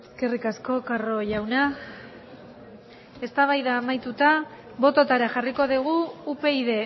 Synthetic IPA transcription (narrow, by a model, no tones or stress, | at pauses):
eske̞rikasko̞karo̞ʝawna | e̞st̪aβ̞ajðaːmajt̪ut̪a | βo̞t̪o̞t̪aɾaʝariko̞ðiɣ̞uːpe̞iðe̞